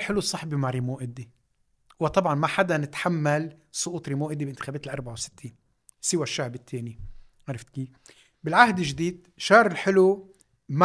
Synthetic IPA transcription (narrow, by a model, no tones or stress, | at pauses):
ħɪlusˤːɑħbimaʕɾimoːʔɪd̪i | wɪt̪ˤɑbʕɑnmaħad̪anɪt̪ħamːalsˤʊʔuːt̪ˤɾimoːʔɪd̪ibʔɪnt̪ɪ̥xeːbeːt̪ɪlʔɑɾˤbaʕawsɪ̥t̪ʰːiːn | sɪwaʃːahbɪt̪ʰːeːni | ʕaɾˤɪft̪kiː | bɪlʕahd̪ɪlʒd̪iːd̪ | ʃɑːɾˤɪlħɪlu | m